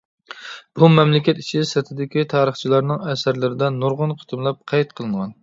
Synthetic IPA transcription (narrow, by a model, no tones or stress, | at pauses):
b̥umɛmlɪkʲɛt̪i̥t͡ʃʰisɛt̪ʰɪd̪ɪkʲit̪ʰɑːɾəχt͡ʃʰilˠɑɾnɨŋɛsæɾlɪɾɪd̪ɛnoɾʁʊnqʰʊ̥t̪ʰɨmlˠɑp̚qʰɛjt̪̚qʰəlˠɨŋʁɑn